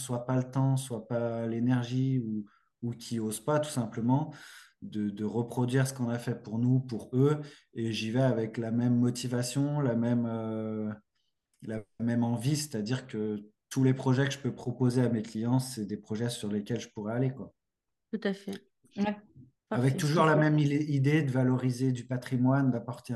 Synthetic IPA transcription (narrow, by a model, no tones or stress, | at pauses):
swapalət̪ɑ̃swapalenɛʁʒiu | ukʲʰiozpat̪u̥sɛ̃pləmɑ̃d̪əd̪əʁəpχɔd̪ɥiʁsə̥kɔ̃nafɛpuʁnupuʁø | eʒivɛavɛklamɛmːɔt̪ivasjɔ̃lamɛmø | lamɛmɑ̃vise̥t̪ad̪iʁkət̪ulepχɔʒɛkəʒ̥əpøpχɔpozeameklijɑ̃sɛd̪epχɔʒɛsyʁlekʲɛlʒəpuʁɛalekwa | t̪ut̪afɛ | avɛk̚t̪uʒuʁlamɛmid̪ed̪əvalɔʁized̪ypat̪χimwand̪apɔʁt̪e